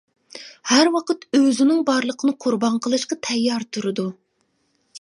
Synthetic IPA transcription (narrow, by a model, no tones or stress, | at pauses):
hæɾwɑqʰət̪øzɪnɪŋbɑɾlˠəqʰənɨqʰʊɾbɑɴqʰəlˠɨʃqɑt̪ʰɛjːɑɾt̪ʰuɾɨd̪u